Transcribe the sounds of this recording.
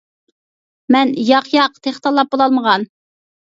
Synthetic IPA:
mɛnjɑqjɑqt̪ʰeχt̪ɑlˠːɑp̚bolˠɑlˠməʁɑn

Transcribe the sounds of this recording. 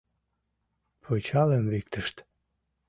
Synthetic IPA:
pʰot͡ɕɑlemvik̚t̪əʃt̪

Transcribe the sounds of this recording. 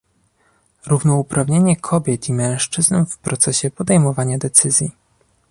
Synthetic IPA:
ɾuvnɔupɾavɲeɲɛkʰɔbʲjɛt̪imɛ̃w̃ʂt͡ʂɘznfpɾʔɔt̪sɛɕɛpɔd̪ɛjmɔvaɲad̪ɛt̪sɘzʲji

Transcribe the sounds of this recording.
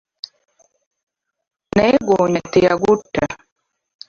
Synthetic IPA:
nɛɡoːɲateja̰ɡutːa

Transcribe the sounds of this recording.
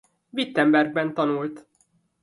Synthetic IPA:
vit̪ːɛmbɛrɡ̚bɛnt̪ɒnult̪

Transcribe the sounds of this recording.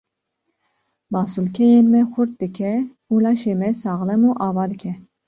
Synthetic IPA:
mɑːsulkʰɛjeːnmɛxʊɾt̪̚d̪ɨkʰɛ | uːlɑːʃeːmɛsɑːɣlɛmuːʔɑːvɑːd̪ɨkʲʰɛ

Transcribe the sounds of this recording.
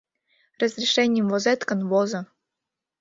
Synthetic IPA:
rəzɾʲɪʂɛnʲɪjəmvɔzɛt̪kənvɔzɐ

